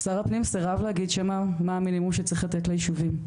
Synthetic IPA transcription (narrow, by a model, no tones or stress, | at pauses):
saʁapnimseʁavlehaɡid̪ʃamamaːminimumʃet͡sʁiχlat̪etlajiʃuvim